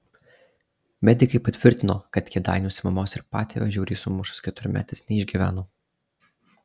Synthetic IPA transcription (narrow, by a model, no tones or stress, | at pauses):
mʲɛd̪ʲɪkɐɪpɐt̪ʲʋʲɪɾʲt̪ʲɪnoːkɐt̪kʲɛd̪ɑ̰ɪnʲuːsʲɪmɐmoːsɪɾpɑ̰ːt̪ʲḛːʋʲɛʒʲuːɾʲiːsʊmʊʃʊ̥skʲɛt̪ʊɾʲʊmʲæ̰ːt̪ʲɪsnʲɛɪʒʲɡʲiːʋʲæ̰ːnoː